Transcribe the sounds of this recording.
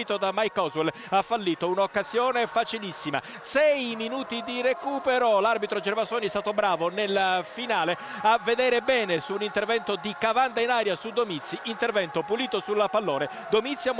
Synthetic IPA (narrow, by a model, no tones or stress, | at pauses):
iːt̪od̪amːajkɔzwɛl | afːalːiːt̪ounaokːazjɔːnefat͡ʃilisːima̰ | sɛjiminuːt̪id̪irekuːpeɾolarbit̪ɾod͡ʒɛrvasoːniɛst̪aːt̪obɾaːvonelfinaːle | avːed̪ɛːɾebɛːnesuːnint̪ervɛnt̪od̪ikavand̪ainaːɾjasud̪omit̪sːiʔint̪ervɛnt̪opuliːt̪osulapalːoːne | d̪omit̪sːjam